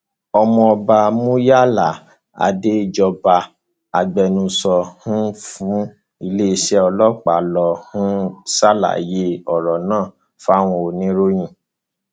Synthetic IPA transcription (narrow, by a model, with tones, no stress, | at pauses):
ɔ˧mɔ̃˧ɔ˧ba˧mũ˦ja˦˨la˨ | a̰˨de˦˧d͡ʒɔ˧ba˧ | a˨ɡ͡bɛ˧nũ˧sɔ˧hũ˦fũ˦ | i˧le˦i˧ʃɛ˦ɔ˧lɔ˦k͡pa˨lɔ˧˨hũ˦sa˦la̰˨je˦ɔ˨ɾɔ˨nãː˦˨ | fa˦˨w̃ɔ̃˧o˨nĩ˦ɾo˦j̃ĩ˦˨